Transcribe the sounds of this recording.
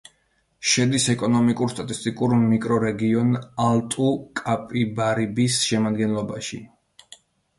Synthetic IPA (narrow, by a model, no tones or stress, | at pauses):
ʃɛd̪isɛkʼɔnɔmikʼuɾst̪ʼat̪ʼist̪ʼikʼuɾmikʼɾɔɾɛɡiɔnalˠt̪ʼukʼapʼibaɾibisʃɛmad̪ɡɛnlˠɔbaʃḭ